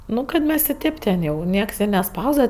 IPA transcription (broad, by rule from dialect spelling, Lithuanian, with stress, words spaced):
ˈnʊ kɐt ˈmʲɛs ɪ ˈtʲeːp tʲɛn ˈjɛʊ ˈnʲiɛks ɪ nʲɛˈspɐʊzdɐʋɐ